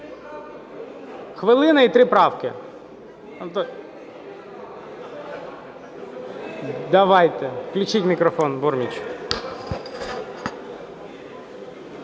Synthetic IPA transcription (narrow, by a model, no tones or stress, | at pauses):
xʋɪlˠɪnɐit̪ɾɪpɾɑwkɪ | t̪ | d̪ɐʋɑjt̪ɛklʲʊt͡ʃitʲmʲikɾɔfɔnbɔrmʲit͡ʃ